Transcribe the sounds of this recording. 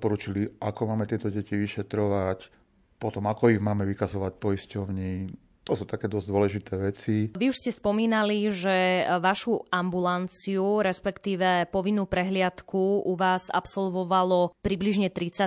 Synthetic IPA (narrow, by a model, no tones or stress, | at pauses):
pɔɾuːt͡ʃiliakɔmaːmɛt̪ɪɛt̪ɔɟɛciʋiʃɛt̪ɾɔʋac | pɔt̪ɔmakɔiɣmaːmɛʋikazɔʋac̚pɔiscɔʊɲiː | t̪ɔsuːt̪akɛːd̪ɔzd̪ʊɔlɛʒit̪ɛːʋɛt͡siʋiuʃscɛspɔmiːnaliʒɛʋaʃuambulant͡siuɾɛspɛkt̪iːʋɛpɔʋinːuːpɾɛɦlɪat̪kʰuuʋaːsa̰psɔlʋɔʋalɔpɾibliʒɲɛt̪ɾit͡sa